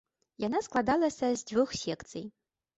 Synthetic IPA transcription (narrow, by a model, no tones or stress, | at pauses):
janasklˠad̪alˠɐsɐzdʲvɨxsʲekt͡sʰɨ̰j